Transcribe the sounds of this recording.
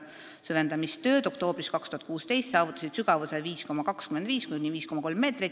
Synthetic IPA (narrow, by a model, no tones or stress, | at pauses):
søvend̪ɑmist̪ø̞ːd̪̥o̞kt̪o̞ːb̥ɾiskɑkst̪uhɑt̪kuːst̪e̞jst̪sɑːvut̪ːˑɑ̥sid̪̥syɡ̥ɑvuseviːsko̞mɑkɑkskymend̪viːskujnʲiviːsko̞mɑko̞lmːe̞ːt̪ri